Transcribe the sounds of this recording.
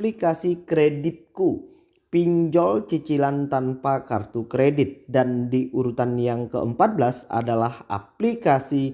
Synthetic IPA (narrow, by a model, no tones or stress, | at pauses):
plikasikɾedit̪̚ku | piɲd͡ʒɔlt͡ʃit͡ʃilant̪anpaka̰rt̪ukɾedɪt̪̚dandiʔuɾut̪anjaŋkə̰ʔəmpat̪̚blasa̰dalaha̰plikasi